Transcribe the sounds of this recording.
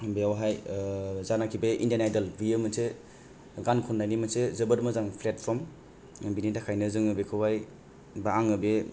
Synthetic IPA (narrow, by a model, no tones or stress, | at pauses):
beawɦajzanakʰibeḭndianajdalbiemɯse | ɡankʰɔnːajnimɯsezɐbɯɾmɯzaŋpʰlet̚pʰɔm | binitakʰajnɯzɯŋɯbekʰɯwaj | baaŋɯbe